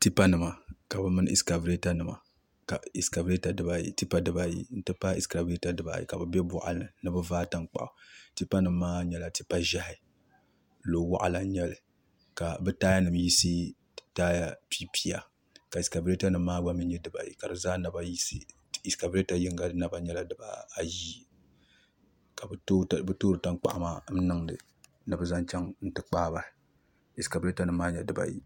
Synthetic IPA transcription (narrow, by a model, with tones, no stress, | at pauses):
ti˦pa˦nɨ˨ma˨ka˨bɨ˦mɨ˦ḭ˨ska˨vɾe˦ta˦nɨ˨ma̰˨ | ka˨i˨ska˨ve˦ta˨dɨ˦ba˨jḭ˨ti˦pa˦dɨ˦ba˨jḭ˨n̩˦tɨ˦pa˦i˨ska˨be˦ta˨dɨ˦ba̰˨jḭ˨ka˨bɨ˨bʲɛ˦bʊ̰˦˨ʔa̰˨˦ɨ˨nɨ˦bɨ˦vaː˦ta˦nk͡pa̰˨ʔʊ˨ti˦pa˦nɨ˨mː˦aː˦ɲɛ˦la˨ti˦pa˦ʒa˦hɪ˦ | lo˨wa̰˦ʔa̰˨la˨ɲɛ˦lɨ˨ | ka˨bɨ˦taː˦ja˦nɨ˨m˦ji˦si˦ | taː˦ja˦pi˦pʰi˦ja˨ | ka˨i˨ska˨bɾe˦ta˦nɨ˦mː˦aː˦ɡ͡ba˦mɨ˦ɲɛ˦dɨ˦ba̰˨jḭ˨ka˨dɨ˨zaː˦na˦ba˦ji˦si˦ | i˨ska˨bɾe˦ta˨jɪ˦ŋɡa˨˦na˦ba˨ɲɛ˦la˦dɨ˨ba̰˨a˨ji˦ | ka˨bbɨ˦toː˦ɾɨ˨ta˦ŋk͡pa̰˨ʔa˦maː˦m̩˦nɨ˦ŋdɨ̰˨ | nɨ˨bɨ˦za˦nt͡ʃɛ˦ŋn̩˦tɨ˦k͡paː˦ba˨ | i˨ska˨bɾe˦ta˦nɨ˨m̩ː˦aː˦ɲɛ˨dɨ˦ba̰˨jḭ˨